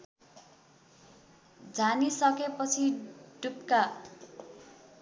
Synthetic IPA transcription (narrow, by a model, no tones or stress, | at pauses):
d͡zanisʌkepʌt͡sʰiɖup̚ka